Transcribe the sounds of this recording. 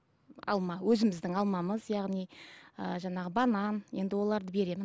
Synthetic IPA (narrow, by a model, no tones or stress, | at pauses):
ɑ̰lˠmɑwɵzɪmɪzd̪ɪŋɑlˠmɑməzjɑʁnijəʒɑɴɑʁəbɑnɑnje̞̰nd̪ɪwo̞lˠɑɾd̪əbe̞ɾe̞mɪn